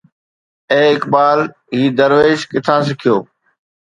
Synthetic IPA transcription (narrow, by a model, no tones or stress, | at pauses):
ẽːɪkbaːl | ɦiːd̪əɾʋeːʃkɪt̪ʰãːsɪkʰɪjoː